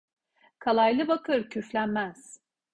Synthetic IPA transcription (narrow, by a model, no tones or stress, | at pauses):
kʰalˠajlˠɯbakʰɯɾcʰyflʲænmæz̥